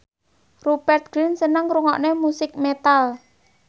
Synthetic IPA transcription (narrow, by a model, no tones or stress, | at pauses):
rubɛrt̪̚ɡ̥ɾɪnsənəŋɾuŋɔ̰ʔnemusɪk̚met̪al